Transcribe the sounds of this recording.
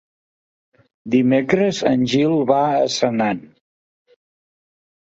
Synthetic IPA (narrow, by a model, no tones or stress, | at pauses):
d̪imekɾəzənʲʒilˠβaəsənan